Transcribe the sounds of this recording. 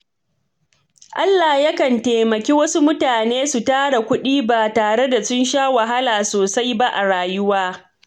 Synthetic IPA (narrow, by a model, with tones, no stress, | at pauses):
ʔa˦lːaː˨hjɐ˦kɐ˨nteː˨mɐ˨kʲeː˦wɐ˦su˦mʊ˦taː˨neː˦su˨taː˦ɽa˨kʷʊ˦ɗiː˦ba˨taː˨ɽe˦da˨sʊ˦nʃaː˦wa˨ɦa˦laː˨soː˨sa˦jba˦ʔa̰˨ɽaː˨jʊ˦waː˦